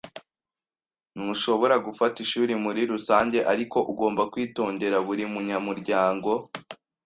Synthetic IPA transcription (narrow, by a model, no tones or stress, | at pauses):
nuʃo̞βo̞ɾaɡufatiʃuːɾimuɾiɾusaːɲɟe̞ʔaɾiko̞ʔuɡo̞ːmbakwiːto̞ːɲde̞ɾaβuɾimuɲamuɾɟaːŋɡo̞